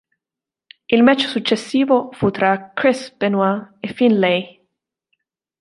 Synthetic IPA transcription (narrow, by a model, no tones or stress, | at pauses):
ilmɛt͡ʃːsut͡ʃːesːiːvofut̪ɾakɾisbɛnwaefinlɛj